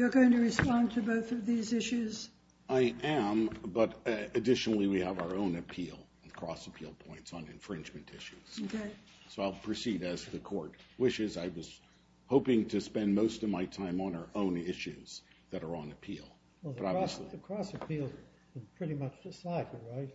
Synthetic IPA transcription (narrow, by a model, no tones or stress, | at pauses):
jə˞ɡoʊɪ̃ŋtɨɹɨspɑ̃ntʰɨboʊθʌvðizɪʃʉz̥ | aɪʔɨ̃mbʌɾɨdɪʃnl̩ˠiwiəvaʊə˞õʊ̃nɨpʰilˠ | n̩kʰɹ̥ɔsəpʰilˠpʰɔ̃ɪ̃ntsn̩ɨ̰̃ɱfɹɪ̃nd͡ʒmɨ̃ntʰɪʃʉz̥okʰeɪ | soʊaɪlˠpʰɹ̥ɨsiɾɨzðɨkʰɔɹt̚wɪʃɪzaɪwʌz̥ | hoʊpɪ̃ŋtʰɨspɛ̃nmoʊstʌvmaɪtʰãɪ̃mə̃nə˞ʔõʊ̃nɪʃʉz̥ðɨɾə˞ə̃nɨpʰḭlˠ | wɛðbʌɾɑbvsliɨkʰɹ̥ɔsɨpʰilˠ | kɨ̃npʰɹ̥ɪɾimʌt͡ʃdɨsaɪd̚jəɹaɪt̚